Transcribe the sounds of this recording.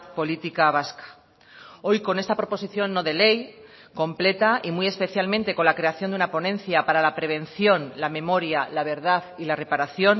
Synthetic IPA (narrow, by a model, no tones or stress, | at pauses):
po̞lit̪ikaβ̞askḁ | o̞jko̞nest̪apɾo̞po̞siθjo̞nːo̞ðe̞le̞j | ko̞mple̞t̪aʔimuje̞spe̞θjalment̪e̞ko̞nlakɾe̞aθjo̞nd̪unapo̞nẽ̞nθjapaɾalapɾe̞β̞ẽ̞nθjo̞nlamẽ̞mo̞ɾjalaβ̞e̞ɾðaðilare̞paɾaθjo̞n